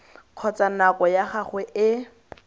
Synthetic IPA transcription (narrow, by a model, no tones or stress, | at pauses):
q͡χʰɔt͡sanakɔjaχaχwɛʔɪ